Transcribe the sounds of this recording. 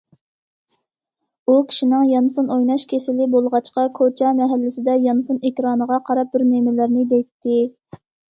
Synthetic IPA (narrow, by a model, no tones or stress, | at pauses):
ukʲʰi̥ʃinɪŋjɑnfunojnɑʃkʲʰesɪlɪbolˠʁɑt͡ʃqɑkʰot͡ʃʰɛmɛɦælːɪsɪd̪ɛjɑnfunekʲɾɑːnəʁɑqʰɑɾɑp̚bɪɾnemɪlɪɾnɪd̪ɛt̪ʰːɪ